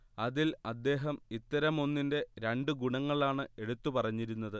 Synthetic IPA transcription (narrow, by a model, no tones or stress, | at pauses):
ɐðilɐd̪ːe̞ːɦɐmit̪ːɐɾɐmo̞nːinde̞ɾeɳɖɨɡuɳɐŋːɐɭaːɳɨe̞ɽut̪ːupɐrɐɲːiɾunːɐðɨ